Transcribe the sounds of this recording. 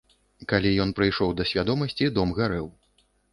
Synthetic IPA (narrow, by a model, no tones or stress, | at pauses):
kalʲijɔn̪pɾɨjʂɔwd̪ɐsʲvʲad̪ɔmɐsʲt͡sʲid̪ɔmɣaɾɛw